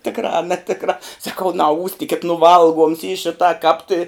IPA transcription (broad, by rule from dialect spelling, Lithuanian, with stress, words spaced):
ˈtʲɪkrɑː ɐ nʲɛˈtʲɪkrɑː sɐˈkɐʊ nɐˈuːsʲtʲɪkʲɪt nʊ ˈʋɐlˠˌɡuɔms iː ˈʃʲɪtɑː kɑːp tʲɪ